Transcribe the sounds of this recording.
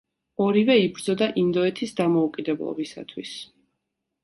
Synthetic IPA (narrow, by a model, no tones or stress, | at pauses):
ɔɾivɛibɾd̪zɔd̪aʔind̪ɔɛt̪ʰisd̪amɔukʼid̪ɛblˠɔ̰bisa̰t̪ʰwis